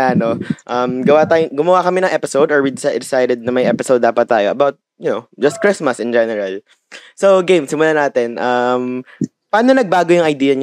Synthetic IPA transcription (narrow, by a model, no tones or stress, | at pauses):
aːnoʔɐmɡɐwaːt̪aːjʊŋɡʊmɐwakɐmɛnɐŋʔɛpɪsowd̪ɔɹwid̪ɪsad̪ɛsajd̪ɛd̪̚nɐmɐjʔɛpɪsowd̪ːaːpɐt̪ːaːjoʔɐbawt̪̚ | jʊnowd͡ʒɐst̪̚kɹɪsmɐsɪnd͡ʒɛnɛɹɐl | sowɡejmsɪmʊlanaːt̪ɛnʔɐm | paːnonɐɡ̚baːɡojʊŋɐjd̪iːjɐɲ